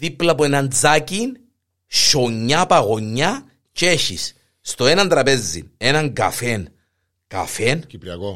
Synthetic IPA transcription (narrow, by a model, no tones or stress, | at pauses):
t̪iplɐpuenɐnd͡zacin | ʃoɲːapɐɣo̞ɲːa | ceçḭs | st̪o̞enɐnd̪ɾɐpe̞zḭne̞nɐŋɡɐ̰fen | ka̰fenipɾiɐko